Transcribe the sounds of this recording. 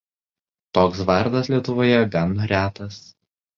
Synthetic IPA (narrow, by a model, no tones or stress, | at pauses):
t̪oːksʋɐɾd̪ɐslʲiɛt̪ʊʋoːjɛɡɐnɾʲæːt̪ɐs